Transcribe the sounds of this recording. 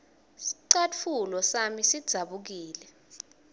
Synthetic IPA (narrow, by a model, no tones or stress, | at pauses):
siǀat͡fʰulɔsamisid̥z̥ʱaɓuk̬iːlɛ